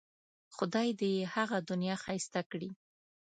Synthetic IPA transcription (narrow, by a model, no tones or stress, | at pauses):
xʊd̪ɑjd̪əjehaɣad̪ʊnjɑxajst̪akɽi